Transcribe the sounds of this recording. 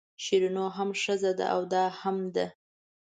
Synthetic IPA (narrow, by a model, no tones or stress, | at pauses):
ʃiɾinoɦamʂəzad̪a̰ʔawd̪ɑhamd̪a